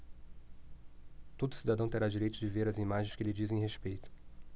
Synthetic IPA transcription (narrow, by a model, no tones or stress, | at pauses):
t̪od̪ʊsid̪ad̪ɐ̃w̃t̪eɾad͡ʒiɾejt̪ʊd͡ʒɪveɾɐzimaʒẽj̃skɪlɪd͡ʒizẽɦespejt̪ʊ̥